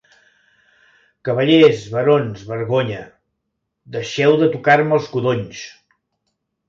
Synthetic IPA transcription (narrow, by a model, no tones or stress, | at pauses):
kəβəʎezβəɾonzβəɾɣoɲə | d̪əʃɛwðət̪ukaɾməlˠskuðoɲs